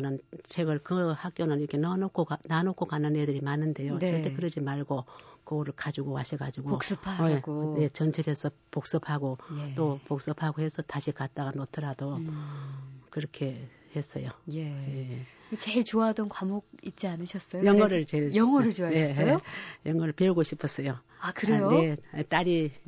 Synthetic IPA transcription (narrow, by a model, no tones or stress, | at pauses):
kɯnɯnt͡ɕʰeɡʌɭkɯhak̚k͈jonɯniɾʌkʰe̞nʌnokʰoananokʰokanːɯnedɯɾimanːɯnde̞joʌɭtekɯɾʌd͡ʑimaɭɡokɯɡʌɾɯɭkad͡ʑuɡowaɕʰiɡad͡ʑuɡos͈ɯpʰaeɡoje̞t͡ɕʌnt͡ɕʰeɾesʰʌ | pok̚s͈ɯpʰaɡot͈opok̚s͈ɯpʰaɡohe̞sʰʌtaɕʰikat̚t͈aɡanotʰɯɾado | kɯɾʌkʰe̞ | he̞s͈ʌ̰jojeje | kt͡ɕeɭt͡ɕoadʌnkwamoɡ̚it̚t͡ɕ͈ianɯɕʰʌs͈ʌjojʌŋʌɾɯɭt͡ɕe̞ɭjʌŋʌɾɯɭt͡ɕoaneojʌŋwʌɾɯɭpeuɡoɕʰipʰʌs͈ʌjo | akɯɾejoje̞t͈aɾi